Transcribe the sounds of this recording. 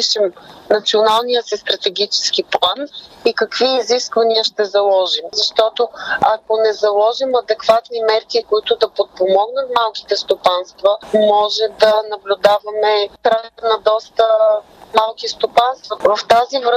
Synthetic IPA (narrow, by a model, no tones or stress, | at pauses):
iʃɛmnɐt̪sionalˠnijəsist̪ɾɐt̪ɛɡʲit͡ʃɛ̥skiplˠanikɐkviːziskvɐniəʃt̪ɛzɐlˠɔʒimzɐʃt̪ɔt̪oakonɛzɐlˠɔʒimɐd̪ɛkvat̪nimɛɾkikoit̪ʊd̪ɐpot̪̚pomɔɡnət̪malˠk̟i̥t̪ɛst̪opanst̪vəmɔʒɛd̪ɐnɐblʲʊd̪avɐmɛt̪ɾaɛt̪nɐd̪ɔst̪ə | malˠkist̪opanst̪vɐvɐft̪azivɾ